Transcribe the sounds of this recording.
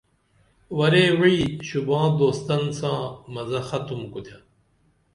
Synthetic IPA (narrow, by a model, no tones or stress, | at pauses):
wɐɾeːwiɕubãːd̪oːst̪ɐnsãːmɐzɐxɐt̪umkut̪ʰɐ